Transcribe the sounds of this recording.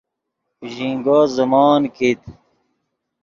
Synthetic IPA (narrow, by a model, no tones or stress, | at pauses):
ʑĩŋɡozəmaːnkit̪